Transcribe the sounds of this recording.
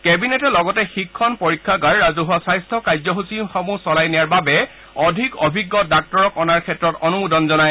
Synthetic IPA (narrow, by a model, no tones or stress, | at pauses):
kɛbinɛtɛlɔɡɔtɛxikʰːɔnpɔɹikʰːaɡaɹːazuɦɔsajstʰɔkajzɔɦusimxɔmusɔlajnijaɹbabɛ | ɔdʱikɔbʱiɡːɔdak̚tɔɹɔkɔnaɹkʰɛtːɹɔtɔnumudɔnzɔnaj